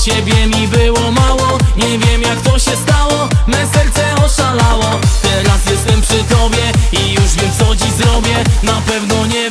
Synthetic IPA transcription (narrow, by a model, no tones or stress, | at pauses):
t͡ɕɛbʲjɛmʲibɘwɔmawɔɲɛvʲjɛmjakt̪ɔɕɛst̪awɔmɛsɛɾt̪sɛɔʂalawɔt̪ɛɾasjɛst̪ɛmpʂɘt̪ɔbʲjɛijuʐvʲjɛmsɔd͡ʑizɾɔbʲjɛnapɛvnɔɲɛ